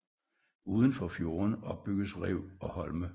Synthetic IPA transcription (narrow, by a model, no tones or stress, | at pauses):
uːð̞ˠən̩fɒfjo̝ːɐnɒ̽b̥̚b̥yɡ̥əsʁeʊ̰ɒ̽hɒ̽lmə